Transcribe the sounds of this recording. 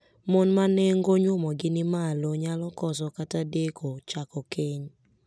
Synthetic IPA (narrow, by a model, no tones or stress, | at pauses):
mɔnmaneŋɡoɲwʊmɔɡɪnɪmaloɲalɔkɔs̬ɔkatadekʰot͡ʃakɔkeɲ